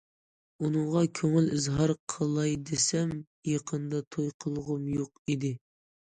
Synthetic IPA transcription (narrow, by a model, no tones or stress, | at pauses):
unɨŋʁɑkʲʰøŋɪlɪzɦɑɾqʰəlˠɑjd̪esɛm | jɑqʰənd̪ɑt̪ʰojqʰəlˠʁʊmjoqid̪ɪ